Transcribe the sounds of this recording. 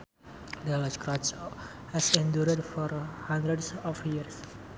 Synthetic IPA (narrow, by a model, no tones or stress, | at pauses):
dɛləskɾat͡ʃ | hɛsɛ̃nduɾədfɔɾhãnd̪ɾədsɔfjiɾs